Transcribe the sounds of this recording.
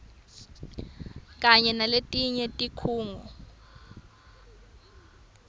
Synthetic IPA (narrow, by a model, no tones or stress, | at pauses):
k̬ʼaɲɛnaletʼiɲɛtʼikʰuːŋɔ